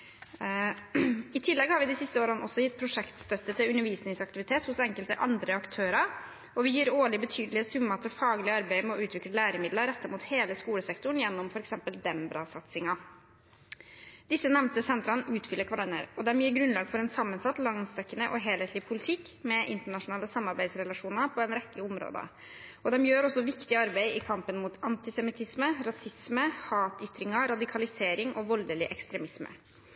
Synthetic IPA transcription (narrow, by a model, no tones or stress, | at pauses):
ɪt̪ʰɪlːɛɡhɑɾʋɪd̪ɪsɪst̪əoːɾənəɔsːɔjɪt̪̚ːpʰɾʊʂɛkt̪st̪œt̪ːət̪ʰɪlʉnːəɾʋiːsnɪŋsɑkt̪ɪʋɪt̪ʰeːt̪hʊsɛŋkəlt̪əʔɑnd̪ɾəɑkt̪ʰøːɾɑ | ɔʋɪjiːɾoːɭɪbət̪ʰyːd̪əlɪəsʉmːɑɑt̪̚ːɛfɑːɡlɪəɑɾbæɪmɛɔʉːt̪ʰʋɪkləlæːɾəmɪd̪ləɾɛt̪ːəmuːt̪heːləskuːləsɛkt̪ʊɳ̩jɛnːɔmfɔɾɛksɛmpəld̪ɛmbɾɑsɑt̪sɪŋɑ | d̪̥ɪsːənɛʋnt̪əsɛnt̪ɾɑnʉːt̪fʏlːəkʰʋɑɖɑnə̰ɾɔd̪ɛmjiːɾɡɾʉnlɑːɡfɔɾɛnsɑmːənsɑt̪ːlɑŋst̪ɛkːənəʔɔɦeːlheɪt̪lɪʋpʰʊlɪt̪ʰɪkːmɛʔɪnt̪əɳɑʂʊnɑːləsɑmːɑɾbæɪd̪sɾɛlɑʂuːnəpʰɔɛnɾɛkːəʊmɾo̰ːd̪ə̰ | ɔd̪ɛmjøːɾɔsɔʋɪkt̪ɪɑɾbæɪɪkʰɑmpənmut̪ɑnt̪ɪsɛmɪt̪ʰɪsməɾɑsɪsməhɑːt̪ʏt̪ɾɪŋɑɾɑd̪ɪkʰɑlɪseːɾɪŋʔɔʋɔld̪əlɪʔɛkst̪ɾɛmɪsmə̰